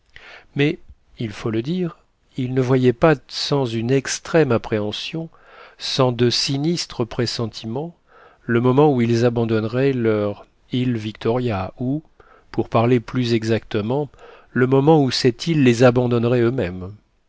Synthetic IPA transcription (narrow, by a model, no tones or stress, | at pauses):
mɛ | ilfoləd̪iʁ | ilnəvwajɛpasɑ̃zynɛkst̪χɛmapχeɑ̃sjɔ̃ | sɑ̃d̪əsinist̪χəpχesɑ̃t̪ʰimɑ̃ | ləmɔmɑ̃uilzabɑ̃d̪ɔnʁɛlœʁ | ilvikt̪ɔʁjau | puʁpaʁleplyzɛɡzak̚t̪əmɑ̃ | ləmɔmɑ̃usɛt̪ʰilːezabɑ̃d̪ɔnʁɛømɛm